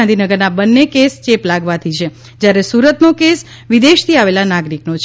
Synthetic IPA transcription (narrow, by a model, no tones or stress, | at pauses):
nd̪ʱinəɡəɾnabənːekest͡ʃeplaɡʋat̪ʰit͡ʃʰe | d͡ʒjaɾesuɾət̪nokes | ʋid̪eʃt̪ʰiaʋelanaɡɾiknot͡ʃʰ